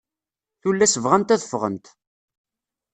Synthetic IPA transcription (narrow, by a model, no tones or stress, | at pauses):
θulːæsəvʁænt̪æðəfːʁə̰nt̪